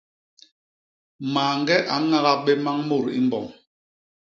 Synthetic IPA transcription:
maː˨ŋ˦ɡɛ˦ʔa˨˦ŋa˦ɣa˦ɓɛ˦ma˦ŋmo˦˨ɾḭ˦m˦bɔ̰˨ŋ

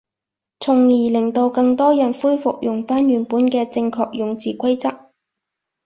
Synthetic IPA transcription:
t͡sʰʊ˨˩ŋjiː˨˩lɪ˨˩ŋt̪o˧wkɐ˧ŋt̪ɔː˥jɐ˨˩nfuː˥jfʊ˨k̚jʊ˨˩ŋfaː˥njyː˨˩npuː˨˥nkɛː˧t͡sɪ˧ŋkʰɔː˧k̚jʊ˨ŋt͡siː˨kʷʰɐ˥jt͡sɐ˥k̚

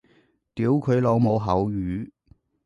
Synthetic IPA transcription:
t̪iː˨˥wkʰɵ˨˧ɥlo˨˧wmo˨˧wɦɐ˨˥wjyː˨˧˥

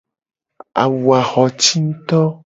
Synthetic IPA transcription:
a̰˨wu˨a˨xɔ˨t͡ʃi˦n̩˦t̪ɔ˦

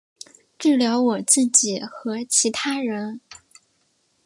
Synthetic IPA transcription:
ʈ͡ʂɻ̩˥˩ljɑ˧˥ʊwɔ˨˩t͡sɹ̩˥˩t͡ɕi˨˩˦xɤ˧˥t͡ɕʰi˧˥t̪ʰa˥ɻə˧˥n

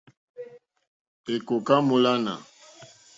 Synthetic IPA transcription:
e˨ko˨ka˦mo˦la˦na̰˨

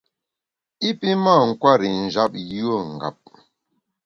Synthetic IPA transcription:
i˦pi˦ma˦˨ŋ̩˨kwa˦ɾi˨n̩˨d͡ʒa˦p̚jo˦˨ŋ̩˨ɡa̰˨p̚

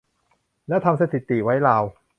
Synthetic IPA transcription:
lɛː˦˥t̪ʰa˧msa˧˩t̪ʰi˨˩t̪ːi˨˩wa˦˥jlaː˧w

